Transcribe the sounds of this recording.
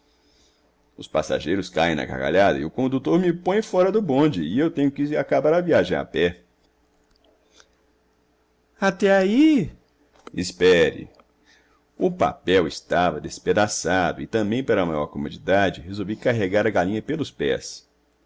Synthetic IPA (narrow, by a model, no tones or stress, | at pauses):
ʊspasa̰ʒejɾʊskaẽj̃nɐ̰ɡa̰ɡa̰ʎad̪ɐɪʊkõnd̪ut̪oɾmɪpõj̃fɔɾɐd̪ʊbõd͡ʒɪɪewt̪ẽɲʊkɪakabaɾɐviaʒẽa̰pɛ | at̪ɛai | ɪspɛɾɪ̰ | ʊpa̰pɛwɪst̪avɐd̪esped̪asad̪ʊɪt̪ɐ̃mbẽj̃paɾɐmajɔɾkomod͡ʒid̪ad͡ʒɪɦezowvikaɦeɡaɾɐɡalĩɲɐpelʊspɛ̰s